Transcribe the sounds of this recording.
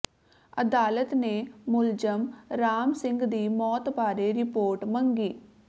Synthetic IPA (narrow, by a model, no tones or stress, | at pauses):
əd̪aːlət̪nemʊld͡ʒəmɾaːmsɪ̃ŋɡd̪iːmɔːt̪baːɾeɾɪpoːɾʈmə̃ŋɡiː